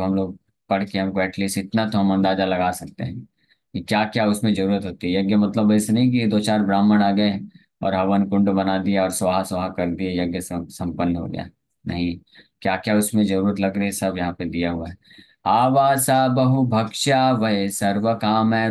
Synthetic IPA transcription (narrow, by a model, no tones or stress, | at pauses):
ɦɐmloːɡ̚ | pɐɽ̤keɦɐmkoɛːʈliːsɪt̪nat̪oɦɐmɐ̃nd̪aːzalɐɡaːsɐk̚t̪ḛɦɛ̃ | kikjaːkjaʊsmẽd͡ʒɐɾuːɾət̪ɦoːt̪iɦɛjɐɡjəmɐt̪ləbəɪsenɐɦĩk̬ied̪oːt͡ʃaːɾbɾaːməɽ̃aːɡɐe | ɔ̰ːɾɦɐʋənkʊ̃ɳɖbɐnad̪iaɔːɾsʋaɦasaakɐɾd̪iɦɛjɐɡjəssɐ̃mpənːəɦo̰ɡɐ̰ja̰ | nɐɦĩkjaːkjaʊsmẽd͡ʒɐɾuːɾət̪lɐɡɾɐisɐbʱjɐɦãped̪ijaɦʊaɦɛ | aːʋaːsabɐɦubʱɐkʃaʋɐɦesɐɾʋəkaːmɦɛ